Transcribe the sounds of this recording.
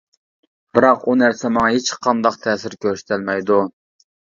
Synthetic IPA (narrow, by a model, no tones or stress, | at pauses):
b̥ɪɾɑqunæɾsɛmɑŋɑɦet͡ʃqʰɑnd̪ɑqt̪ʰɛːsɪɾkʲʰøɾyʃt̪ʰɛlmɛjd̪u